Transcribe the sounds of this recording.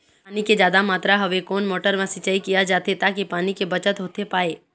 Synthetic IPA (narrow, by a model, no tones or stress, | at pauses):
niked͡ʒjaːd̪amaːt̪ɾaɦɐʋekɔːnmoːʈəɾmãsɪt͡ʃaikijad͡ʒaːt̪et̪akipaːnikebət͡ʃət̪ɦoːt̪epaːeː